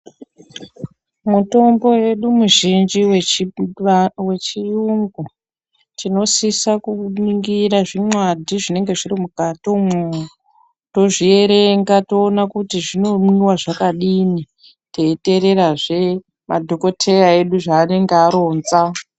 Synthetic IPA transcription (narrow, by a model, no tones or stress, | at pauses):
muto̞mbo̞je̞ɗumuʒind͡ʒiw | we̞t͡ʃijuŋɡu | tino̞sisakuniŋɡiraʐimwadʱiʐine̞ŋɡe̞ʐirimukatome | to̞ʐie̞ɾeŋɡato̞ːnakutiʐino̞mwiwaʐakaɗini | te̞ite̞ɾe̞ɾaʐe̞ | madʱo̞ko̞tʰe̞jae̞ɗuʐaːne̞ŋɡeaɾo̞ːnza